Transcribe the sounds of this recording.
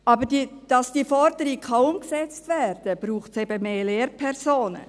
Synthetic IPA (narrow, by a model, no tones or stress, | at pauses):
ɑbəɾdid̥ɑsd̥iːfɔɾd̥əɾɪkʰɑʊmksɛt͡stʋɛːɾd̥əb̥ɾuːχtsɛb̥əmeːleːɾpʰɛrsoːnə̰